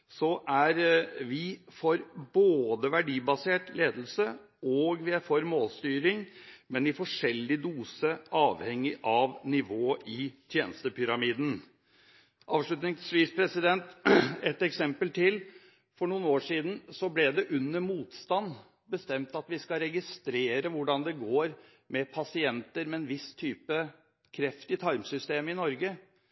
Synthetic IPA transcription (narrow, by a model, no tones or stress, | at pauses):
sɔʔæɾʋɪfɔɾboːd̪əʋæɖiːbɑseːʈleːd̪əl̩sə | ɔɡʋɪæɾfɔɾmoːlst̪yːɾɪŋmɛnɪfɔʂɛlːɪd̪uːsəʔɑːʋhɛŋːɪʔɑʋnɪʋoːʔɪt̪ʰjeːnəst̪əpʰʏɾɑmiːd̪n̩ | ʔɑːʋʂɭʉt̪nɪŋsʋiːsə̥pʰɾɛsɪd̪ɛnt̪ɛt̪ɛksɛmpəlt̪ʰɪl | fɔɳuːənoːʂiːd̪n̩sɔblɛd̪ɛʔʉnːəmuːt̪st̪ɑnː | bəst̪ɛmt̪ɑt̪ʋɪskɑɾɛɡɪst̪ɾeːɾəʋʊɖɑnd̪ɛɡoːɾ | mɛpʰɑsɪɛnt̪əɾmɛɛnʋɪst̪ʰyːpə | kʰɾɛft̪ɪt̪ʰɑɾmsʏst̪eːmɪnɔɾɡə